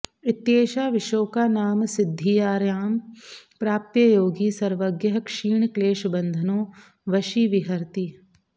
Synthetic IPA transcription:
ɪt̪jeːʃaːʋɪʃoːkanaːmsɪd̪ʱːijaːɾjaːmpɾaːp̚t̪jəjoːɡisɐɾʋəɡjəɦkʂiːɳkleːʃbɐ̃nd̪ʱənõː | ʋɐʃiːʋɪɦɐɾt̪iː

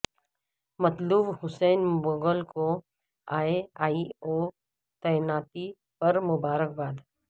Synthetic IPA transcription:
mɐt̪luːbɦʊsɛːnboːɡəlko | aːeaːioː | t̪ɐjnaːt̪i | pɐɾmʊbaːɾək̚baːd̪

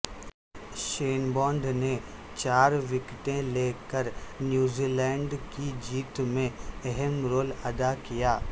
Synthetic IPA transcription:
ʃeːnbɔ̃ːɳɖne | t͡ɕaːɾʋɪkʈẽleːkəɾnjuːziːlɛ̃ːɳɖkid͡ʑiːt̪mẽɛɦəmɾoːlɐd̪akijaː

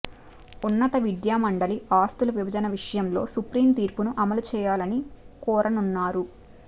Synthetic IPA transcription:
unːɐt̪ɐʋid̪jaːmɐɳɖɐliaːst̪uluʋibʱɐd͡ʒɐnɐʋiʂɐjɐmlo̞ːsupɾiːmt̪iːɾpunuʔɐmɐlut͡ʃɛːjaːlɐnikɔːɾʔɐnunːaːɾu

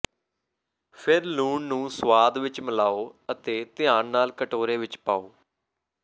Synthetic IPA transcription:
pʰɪɾluːɳnũːsʋaːd̪ʋɪt͡ʃməlaːoːət̪eːt̪ɪjãːnnaːlkəʈoːɾeːʋɪt͡ʃpaːoː

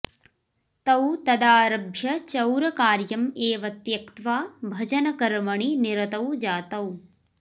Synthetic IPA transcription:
t̪ɐwt̪ɐd̪aːɾɐbʱjɐt͡ʃɐwɾɐkaːɾjɐmeːʋɐt̪jɐkt̪ʋaːbʱɐd͡ʒɐnɐkɐɾmɐɳiniɾɐt̪ɐwd͡ʒaːt̪ɐw

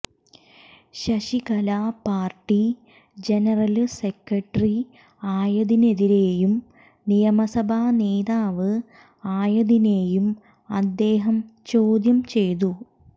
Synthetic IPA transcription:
ɕɐɕikɐlaːpaːrʈːi | d͡ʑe̞nɐrɐlsekːɐʈːri | aːjɐðine̞ðiɾe̞ːjum | nijɐmɐsɐbʱaːneːðaːʋɨ | aːjɐðine̞ːjum | ɐd̪ːe̞ːɦɐmt͡ɕo̞ːd̪jɐmt͡ɕe̞jt̪u

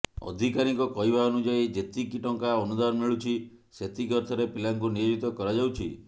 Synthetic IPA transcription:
ɔ̰d̪ʱikaɾikɔkɔɦibaɔnud͡ʒajd͡ʒet̪ikiʈɔŋkaɔnud̪anmiɭut͡ʃʰi | set̪ʰikɔɾt̪ʰɔɾepilaŋkunijod͡ʒit̪ɔkɔɾad͡ʒawt͡ʃʰi

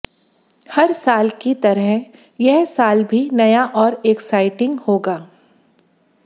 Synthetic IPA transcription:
hɐɾsaːlkit̪ɐɾəɦ | jɛɦsaːlbʱinɐjaʔɔːɾeːksaːɪʈɪ̃ŋɡhoːɡaː

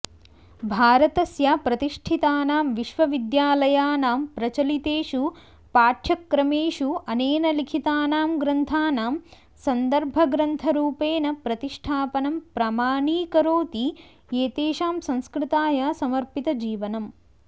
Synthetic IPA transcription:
bʱaːɾɐt̪ɐsjapɾɐt̪iʂʈʰit̪aːnaːmʋiʃʋɐʋid̪jaːlɐjaːnaːmpɾɐt͡ʃɐlit̪eːʃu | paːʈʰjɐkːɾɐmeːʃuɐneːnɐlikʰit̪aːnaːmɡɾɐnt̪ʰaːnaːm | sɐnd̪ɐɾbʱɐɡɾɐnt̪ʰɐɾuːpeːnɐpɾɐt̪iʂʈʰaːpɐnɐmpɾaːmaːɳiːkɐɾoːt̪i | eːt̪eːʃaːmsɐ̃nskɾɪt̪aːjɐsɐmɐɾpit̪ɐd͡ʒiːʋɐnɐm

